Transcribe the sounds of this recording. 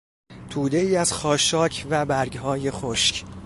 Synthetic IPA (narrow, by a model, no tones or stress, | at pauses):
t̪ʰuːd̪e̞iːæz̥xɒːʃɒːcʰvæbæɾɡɦɒːje̞xoʃc